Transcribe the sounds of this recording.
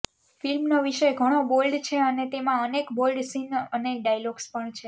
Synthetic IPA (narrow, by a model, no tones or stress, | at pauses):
filmnoʋiʃəjɡʱəɽ̃obolɖt͡ʃʰeənet̪emãənekbolɖsinəneɖajloɡspəɳt͡ʃʰe